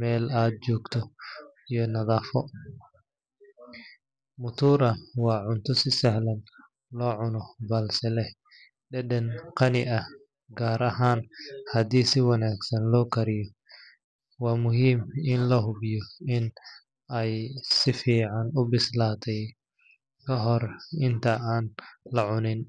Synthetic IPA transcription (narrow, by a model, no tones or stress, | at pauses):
mɛːlaːd̪̚t͡ʃɔːɡt̪ʰɔ | ijɔnɐðaːfɔ | mʊt̪ʰuːɾɐwɑːʕʊnt̪ʰɔsɪsɐhlɐn | lɔːʕʊnɔbɐlsɛlɛ | ɖɛɗɛnqʰɑnɪʔɐh | ɡaːɾɐɦaːnhɐd̪iːsɪwɐnaːɡsɐnlɔːkʰɐɾɪjɔ | wɑːmʊɦiːmɪnlɐɦʊbɪjɔɪn | ɛjsɪfiːʕɑnʊbɪslaːt̪ʰɛj | kʰɐɦɔrɪnt̪ʰɐaːnlɐʕʊnɪn